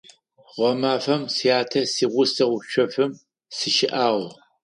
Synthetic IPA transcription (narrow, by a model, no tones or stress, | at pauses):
ʁʷɔmaːfɐmsijaːtʰɐsiːʁʷʊsɐʁʷʊʃʷɐfɨm | sɨʃɪʔaːʁ